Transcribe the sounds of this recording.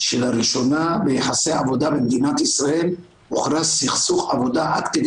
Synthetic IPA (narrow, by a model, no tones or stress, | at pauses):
ʃelaɾiʃonabeħaseavod̪abemd̪inat̪isɾael | uχɾasiχsuχavod̪aakked̪